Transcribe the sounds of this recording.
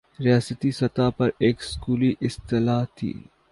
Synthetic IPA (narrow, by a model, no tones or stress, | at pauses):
ɾijaːsət̪isɐt̪aːpɐɾeːkskuːliʔɪst̪ɪlaːt̪ʰḭː